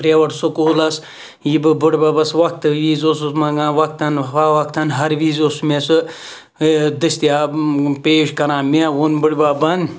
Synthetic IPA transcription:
pɾeʋɐʈsukuːlɐs | jibɨbɨɽʲbɐbɐsʋɐk̚t̪ɨʋiːzosumɐɡãːʋɐk̚t̪ɐnaʋɐk̚t̪ɐnɦɐɾʋiːzosmesɨ | d̪ɨst̪ijaːpeːʃkɐɾãːmewunbɨɽʲbɐbɐnd̪

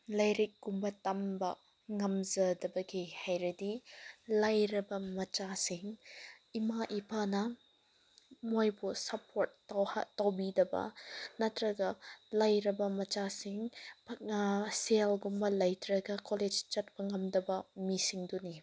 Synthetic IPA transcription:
lɐjɾik̚ɡ̥umbɐtɐmbɐ | ŋɐmzɐdɐbɐɡihajɾɐdilajɾɐbɐmɐt͡ʃasiŋimaʔipʰanɐ | mojbusɐpʰoɾt̚ːawha̰tɐwbidɐbɐ̰nɐtɾɐɡɐlɐjɾɐbɐmɐt͡ʃasiŋ | selɡumbɐlɐjtʰɾɐɡɐkoled͡ʒt͡ʃɐt̚bɐŋɐmdɐbɐmisiŋduni

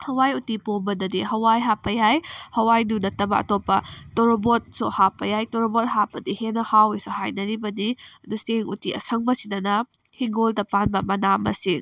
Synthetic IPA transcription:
hɐwajutipombɐdɐdiɦɐwajɦapːɐjajhɐwajdunɐtːɐbɐɐ̰topːɐtoɾobot̚suhapːɐjajtoɾobot̚hapːɐdihenɐhawisuhajnɐɾibɐninuseŋutiʔɐ̰sɐŋbɐsinɐnɐ | hiŋɡoldɐpanbɐmɐnamɐ̰siŋ

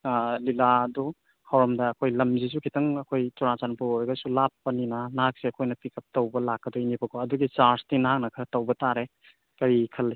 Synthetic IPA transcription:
liladɔ | hawɾɐmdɐːkʰojlɐmziz̬ukʰitɐŋɐkʰojt͡ʃɔɾat͡ʃanpuojɡɐsulapːɐninɐnaɦak̚seɐkʰojnɐpikʰɐp̚tɐwbɐlakːɐdɔinipʰɐkʰɔɐduɡit͡ʃaɾstinhaŋnɐkʰɐtɐwbɐtaɾe | kɐɾikʰɐl

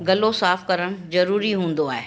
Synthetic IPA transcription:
ɡɐlosaːfkɐɾəɽ̃zɐɾuːɾiɦũːn̆d̪oaːɦeː

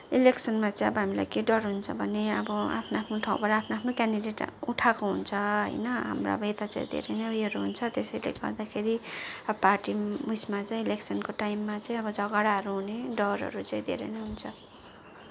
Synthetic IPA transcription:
ileksʌnmat͡sãĩʌbʌɦamila̰jkeɖʌrɦunt͡sʰʌbʱʌneʌ̰bʌa̰pʰnoapʰnoʈʰãw̃baɾaaːpʰnoapʰnokanɖiɖeʈuʈʰakoɦunt͡sʰʌɦʌ̰jnʌɦa̰mra̰bʱet̪at͡sã̰ĩd̪ʱḛɾḛnʌjʌɾuɦunt͡sʰʌt̪esʌjlḛɡʌ̰rd̪akʰeɾiʌparʈimusmat͡saĩileksʌnkoʈajmːat͡saĩʌbʌd͡zʌɡaɽaɦʌɾuɦuneɖʌrɦʌ̰ɾut͡saĩd̪ʱḛɾḛnʌjɦunt͡sʰʌ

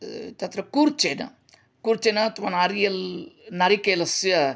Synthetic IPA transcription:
t̪ɐt̪ɾɐkuːɾt͡ʃeːnɐ̰ | kuːɾt͡ʃeːnɐt̪uʋɐnaɾijɐlnɐɾikeːlɐsɐ

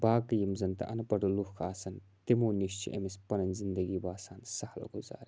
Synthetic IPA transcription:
baːkɐjimzɐnt̪ɐ̰ʔɐnɐpɐɽuluhkʰaːsɐnt̪imoːniʃt͡ʃḭʔɐ̰mispɐnɐnʲzind̪ɐɡiːbaːsaːnsɐhɐlɡuza̰ːɾ

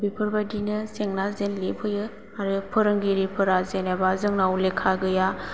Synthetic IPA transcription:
bipʰɯɾbadinɯseŋnazenlepʰɯjɯ | aɾɯpʰɯɾɯŋɡiɾipʰɯɾazenabazɯŋnawlekʰːaɡɯja

